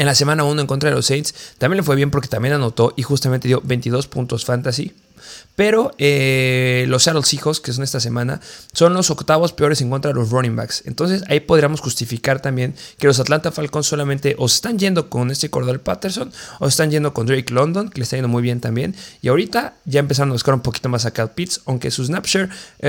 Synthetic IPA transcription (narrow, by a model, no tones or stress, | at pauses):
enlase̞mãnaunoeŋkont̪ɾaðelo̞̰sejnt̪st̪ambje̞nle̞fwe̞βje̞mp̬o̞ɾke̞t̪ambjenano̞t̪o̞ʔixust̪amẽnt̪e̞ðjo̞βe̞jnt̪iðo̞spṵnt̪o̞sfant̪asḭ | pe̞ɾo̞e | lo̞sʃaɾolsixo̞skesonest̪ase̞mãna̰so̞nlo̞so̞kt̪aβo̞spe̞o̞ɾe̞se̞ŋko̞nt̪ɾaðelo̞ronĩmba̰kse̞̰nt̪o̞ns̬e̞sa̰ipoðɾiamo̞sxust̪ifikaɾt̪ambje̞ŋke̞lo̞s̬at̪lant̪afalko̞nsːo̞lamẽnt̪e̞ʔose̥st̪anʝe̞nd̪o̞ko̞ne̞st̪eko̞ɾðalpat̪e̞ɾso̞nose̞st̪anʝe̞nd̪o̞kond̪ɾejklo̞nd̪o̞ŋkelest̪ajend̪o̞mujβje̞nt̪ambje̞̰niaoɾit̪aʝaempe̞s̬aɾo̞naβuskaɾũmpo̞ki̥t̪o̞mas̬akalpit̪sawŋke̞̰suznapʃeɾ